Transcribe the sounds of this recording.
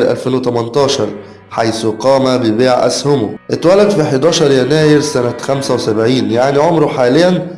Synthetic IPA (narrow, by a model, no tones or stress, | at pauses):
lʔæ̰lfeːnwet̪æmɑnt̪ˤɑːʃɑɾˤ | ħajsuqɑːmæbɪbeːʕʔæ̰shʊmʊ̰ʔet̪wælːæd̪fiħed̪ɑːʃɑɾˤjænæːjɪɾsænæxæmsæwesæbʕiːnjaʕniʕomɾʊħaːlɪjːæn